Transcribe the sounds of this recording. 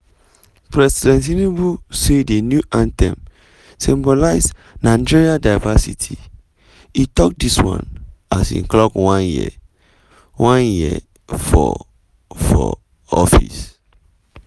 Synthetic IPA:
pɹɛsidɛ̃nt̬inibusedenjuʔãntɛ̰̃m | sĩmbɔlaɪs | nad͡ʒiɹiadaɪvasḭtʰi | itɔk̚diswã̰nasḭ̃ŋklɔkwãnjḭ | wãnjiɛ̰ | fɔ̰ | fɔ̰ | ɔfḭs

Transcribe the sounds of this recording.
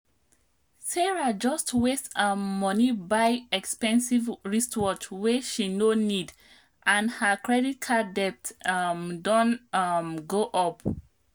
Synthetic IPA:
sɛɹad͡ʒɔstwestəmɔnibaɪɛkspɛ̃nsivɹistwɔt͡ʃwɛʃinonid | ʔãnhəkɹɛdit̚kʰadɛp̚tmdɔ̃nmɡoʔɔp

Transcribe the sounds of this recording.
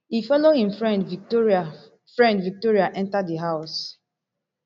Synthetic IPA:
hifɔlohĩmfɹɛ̃ndvitoɹa | fɹɛ̃ndvik̚toɹiaʔɛ̃ntadəɦaʊs

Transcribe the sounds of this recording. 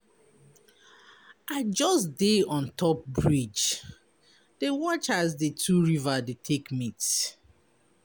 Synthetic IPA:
aɪd͡ʒɔsdeɔ̃ntʰɔp̚bɹid͡ʒ | d̥ewɔt͡ʃasdetʰuɹivadetʰekmits

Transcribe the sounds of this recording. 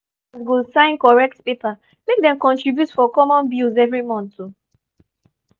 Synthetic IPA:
zɡulsãɪ̃nkɔɹɛk̚tpepa | mek̚dɛ̃mkɔ̃ntɹibjutfɔkɔmɔ̃nbjuzɛvɹimɔ̃ntu

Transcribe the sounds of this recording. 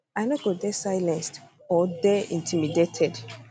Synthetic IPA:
ajnɔt̚ɡ̥ɔt̚dɛsajlɛ̃nst | ɔdɛĩntʰimidetʰɛd

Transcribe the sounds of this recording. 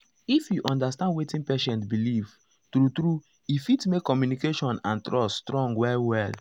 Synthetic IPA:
ifjuʔɔ̃ndastãndwetĩnpeʃɛ̃ntbiliv̥ | tɾutɾu | ifitmekːɔmjunikeʃɔ̃nãntɹɔsstɹɔ̃ŋɡwɛwɛl

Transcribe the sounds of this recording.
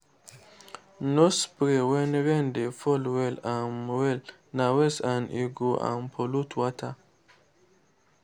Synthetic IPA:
nɔspɾewɛnɾɛndefɔlwɛlamwɛl | nawɛsaniɡoʔa̰mpʰolutʰwatʰa

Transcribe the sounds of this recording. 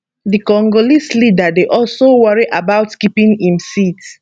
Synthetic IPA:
dikɔ̃ŋɡolislidadeʔɔlsowaɹiʔabaʊtkipĩŋĩmsit

